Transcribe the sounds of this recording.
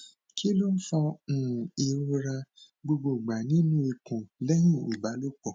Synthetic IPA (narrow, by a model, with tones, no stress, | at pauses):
kʰi˦lo˦n̩˦fɔ˦n̩˨i˨ɾu˦ɾa˧ | ɡ͡bo˧ɡ͡bo˨ɡ͡ba˨nĩ˦nũ˦e˨kũ˨lɛ˦ɲĩ˦˨o˨ba˨˦lo˦kɔ˨